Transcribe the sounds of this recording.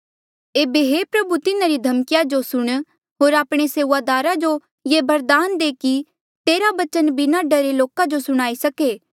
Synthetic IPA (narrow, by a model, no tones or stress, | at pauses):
eːbeɦeːpɾɐbut̪ɪnãɾid̪ʱɐmkɪjad͡ʒosʊɽ̃ | ɦoːɾaːpɽ̃eseːʊʋad̪aːɾad͡ʒo | jebɐɾd̪aːnd̪eːki | t̪eːɾabɐt͡ʃənbɪnaɖɐɾeloːkad͡ʒosʊɽ̃aːisɐkeː